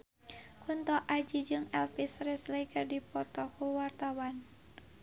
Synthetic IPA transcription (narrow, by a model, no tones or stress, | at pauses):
kunt̪ɔʔad͡ʒid͡ʒɨŋɛlfisrɛsləikɨrdipɔt̪ɔkuwart̪awan